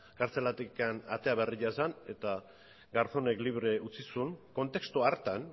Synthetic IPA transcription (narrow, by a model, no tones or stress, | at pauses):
kaɾt͡se̞lat̪ikana̰t̪e̞aβeriʎaesane̞t̪a | ɡaɾθone̞kliβ̞ɾe̞ut͡sisunko̞nt̪e̞kst̪uaɾt̪an